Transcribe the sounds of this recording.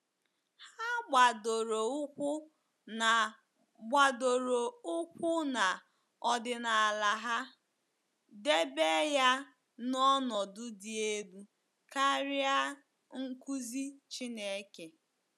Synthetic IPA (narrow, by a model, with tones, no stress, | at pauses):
ha˦ɡ͡ba˨do˨ɾo˨ʊ˦kʷʊ˦ | na˨ | ɡ͡ba˨do˨ɾo˨ʊ˦kʷʊ˦na˨ | ɔ˨dɪ˨na˨a˨la˨ɦa˦ | de˦be˦ja˦ | nɔ˦nɔ˨dʊ˦dɪ˨e˦bu˦ | ka˦ɾɪ˦a˦ | ŋ̩˦ku˦zi˦t͡ʃi˦ne˦ke˨